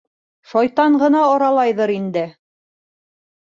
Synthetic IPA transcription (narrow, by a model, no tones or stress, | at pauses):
ʃɑjt̪ɑɴɢɤ̆nɑːɾɑlˠɑjðɤɾind̪ɘ